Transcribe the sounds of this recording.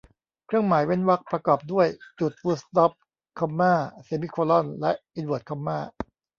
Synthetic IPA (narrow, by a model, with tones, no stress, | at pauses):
kʰɾɯ˥˩əŋmaː˩˦jwe˥˩nwa˦˥k̚pɾa˧kɔː˨˩p̚du˥˩əjt͡ɕu˨˩t̪̚wuː˦˥st̪ɔ˦˥p̚ | kʰa˧mːaː˥˩se˧˦mi˦˥˩kʰoː˧lɔ˥˩nlɛ˦˥ʔʔi˧˦nwoː˨˩t̪̚kʰa˧mːaː˥˩